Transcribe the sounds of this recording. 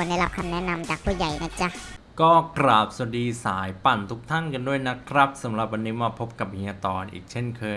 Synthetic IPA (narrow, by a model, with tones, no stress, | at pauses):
nda˥˩jla˦˥p̚kʰa˧mnɛ˦˥na˧mt͡ɕaː˨˩k̚pʰuː˧˥˩ja˨˩jna˦˥t͡ɕa˦˧˩ | kɔː˥˩kɾaː˨˩p̚so˨˩diː˧saː˩˦jpa˨˩nt̪ʰu˦˥k̚t̪ʰa˥˩nka˧ndu˥˩əjna˦˥kʰɾa˦˥p̚sa˩˦mɾa˨˩p̚wa˧nːiː˦˥maː˧pʰo˦˥p̚ka˨˩p̚hiː˧aː˧t̪ɔː˧nʔḭː˨˩k̚t͡ɕʰe˥˩nkʰɤː˧